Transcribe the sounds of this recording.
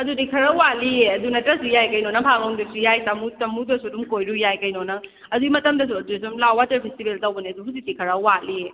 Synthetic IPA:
ɐdudikʰɐɾɐwalieɐdunɐtɾɐsujajkɐjnɔnɐpʰaŋɐŋdisujajtɐmutɐmudɐsudumkojɾujajkɐjnɔnɐ | ɐduimɐtɐmdɐsudisumlawatɐɾpʰestibeltɐwbɐniɐduɦusitikʰɐɾɐwalie

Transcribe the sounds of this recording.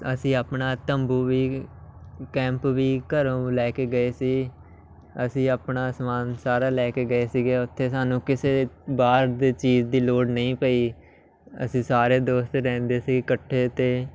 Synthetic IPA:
əsĩːaːpnaːt̪əmbuːʋiː | kɛ̃ːmpʋiːkəɾõːlɛːkeːɡəeːsiː | əsĩːaːpnaːsmaːnsaːɾaːlɛːkeːɡəeːsiːɡeːʊt̪ʰːeːsaːnũːkɪseːbaːɾd̪eːt͡ʃiːd͡ʒd̪iːloːɖnəĩːpəiː | ə̰sĩːsaːɾeːd̪oːst̪ɾɛ̃ːnd̪eːsiːɡkəʈʰːeːt̪eː

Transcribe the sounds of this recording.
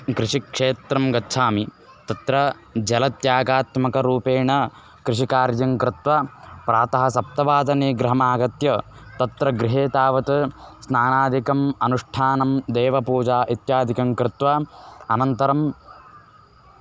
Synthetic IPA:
kɾɪʂikʂeːt̪ɾɐmɡɐtːʃʰaːmi | t̪ɐt̪ɾɐ | d͡ʒɐlɐt̪jaːɡaːt̪mɐkɐɾuːpeːɳɐ | kɾɪʂikaːɾjɐŋkɾɪt̪ʋɐpɾaːt̪ɐɦɐsɐp̚t̪ɐʋaːd̪ɐneːɡɾɐɦɐmaːɡɐt̪jɐt̪ɐt̪ɾɐɡɾɪɦeːt̪aːʋɐt̪ɐsnaːnaːd̪ʱikɐmɐnuʂʈʰaːnɐmd̪eːʋɐpuːd͡ʒaːʔit̪jaːd̪ʱikɐŋkɾɪt̪ʋɐɐnɐnt̪ɐɾɐm

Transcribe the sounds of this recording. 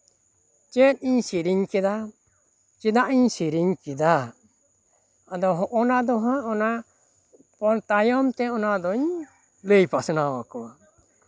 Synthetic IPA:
t͡ʃɛt̪̚ˀiɲsiɾiɲkɛd̪a | t͡ʃid̪aʔiɲsiɾiɲkɛd̪a | ad̪ɔɦɔʔɔnad̪ɔɦãʔɔna | pɔɾt̪ajɔmt̪ɛɔnad̪ɔɲ | ləjpasɔnawakɔwa

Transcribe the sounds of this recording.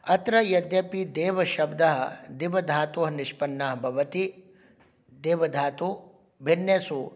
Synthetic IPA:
ɐt̪ɾɐjɐd̪jɐpid̪eːʋɐʃɐbd̪ɐɦɐ̰d̪iʋɐd̪ʱaːt̪uːɦɐniʃpɐnːɐɦɐbʱɐʋɐt̪i | d̪eːʋɐd̪ʱaːt̪u | bʱinjɐsu

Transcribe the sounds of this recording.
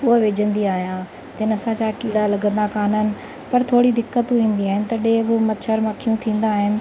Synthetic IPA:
ʊɦʋeːd͡ʑə̃nd̪iaːɦijã | t̪enɐsãt͡ɕakiːɽalɐɡə̃nd̪akaːnənɪ̆ | pɐɾt̪ʰoːɽid̪ɪkːət̪ʋĩːn̆d̪iaːɦɪnɪ̆t̪ɐɗeːbʊmɐt͡ɕʰəɾmɐkʰijũt̪ʰĩːnd̪aːɦɪnɪ̆

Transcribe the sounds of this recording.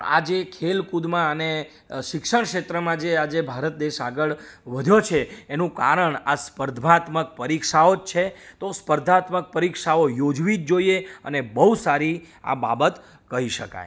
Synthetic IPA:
a̰d͡ʒekʰelkud̪mãəne | ʃɪkʃəɳ̃kʃet̪ɾəmãd͡ʒead͡ʒebʱaɾət̪̚d̪eʃaɡəɭʋəd̪ʱjot͡ʃʰeːnũka̰ɾəɳaspəɾd̪ʱʋat̪mək̚pəɾikʃaod͡ʒt͡ʃʰet̪ospəɾd̪ʱat̪mək̚pəɾikʃaojod͡ʒʋid͡ʒd͡ʒoieənebəɦusaɾi | a̰ba̰bət̪ | kəɦiʃəka̰j

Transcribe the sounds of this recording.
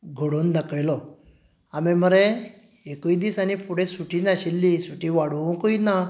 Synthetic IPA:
ɡʱoɽund̪əkəjlɔ | ameməɾe | ekuid̪isanipuɽẽsuʈinaɕilːisuʈĩʋaɽũkoina

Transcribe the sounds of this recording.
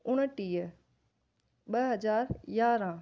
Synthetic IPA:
ʊɽ̃əʈiːə | ɓɐɦɐd͡ʑaːɾjaːɾã

